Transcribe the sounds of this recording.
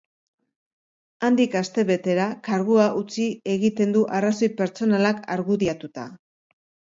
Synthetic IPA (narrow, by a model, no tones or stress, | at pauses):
and̪ikast̪e̞βe̞t̪e̞ɾakaɾɣuaʔut͡sie̞ɣit̪e̞nd̪uʔaraso̞jpe̞ɾt͡so̞nalaka̰ɾɣuðiat̪ut̪a